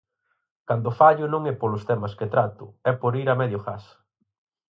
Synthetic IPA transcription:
kand̪ʊfaʎʊnõŋɛpolʊst̪ɛmɐsket̪ɾat̪ʊɛpoɾiɾɐmɛðjʊxas

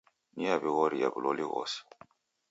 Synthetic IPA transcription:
niabiɣɔɾijabilɔliɣɔ̰si̥

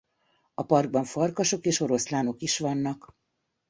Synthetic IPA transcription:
ɒpɒrɡ̚bɒɱfɒrkɒʃo̞keːʃo̞ɾo̞slaːno̞kiʃʋɒnːɒk

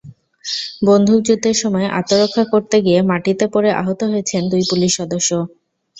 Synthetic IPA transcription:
bond̪ʱud͡ʑud̪ʱeɾʃɔmɔeʔa̰t̪oɾokʰːakoɾt̪eɡiemaʈit̪epɔɾeʔa̰ɦot̪oɦojet͡ɕʰend̪ujpuliʃːɔd̪oʃːo

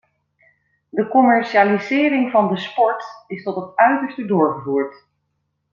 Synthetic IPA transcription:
dəkɔmɛɹʃiaːlizɪːɾɪŋvɑndəspɔɹtɪstɔtɦətœɥtəɹstədʊːɹχəvuːɹt

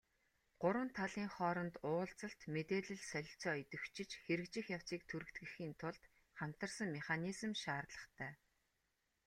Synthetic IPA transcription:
ɢ̥ʊɾwə̆nt̪ʰːaɮiːŋχɔːɾɞ̆nt̪ʊːɮt͡sə̆ɬt̪met̪eːɮɘ̆ɮsœjʲɪ̆ɬt͡sɔːit̪ɘ̆wt͡ɕʰɪ̆t͡ɕxeɾɘ̆kt͡ɕɪ̆xjaw̥siːk̚t̪ʰuɾɘ̆t̪ɡɘ̆xiːnt̪ʰʊɮt̪ | χam̥t̪ə̆rsə̆ŋmeχanizə̆mʃaːrɮə̆χt̪ʰæː

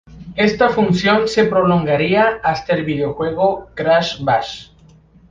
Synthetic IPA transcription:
e̞st̪afunsjo̞nse̞pɾo̞lo̞ŋɡaɾiaast̪aelβiðeoxwe̞ɣ̞okɾaʃbaʃ

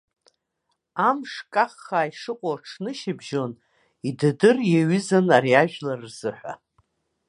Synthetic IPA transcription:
amʂkʼaχːaːiʂɨqʷʼoʈ͡ʂʰnɨʃɪbʒo̞n | idɨdɨrjeɥʏzanaɾiaʒᶣlarːz̥ɨħᶣʷa̰

